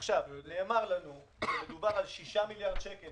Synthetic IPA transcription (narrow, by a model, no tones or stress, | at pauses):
χʃavne̞ːmaʁlanu | med̪ubaʁalʃiʃamiljaʁd̪ʃekel